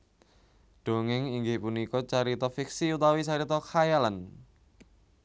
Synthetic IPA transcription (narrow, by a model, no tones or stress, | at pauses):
ɖ̥o̤ŋɪŋiŋɡɪhpunikɔt͡ʃaɾit̪ɔfiksiut̪awisaɾit̪ɔkʰajalan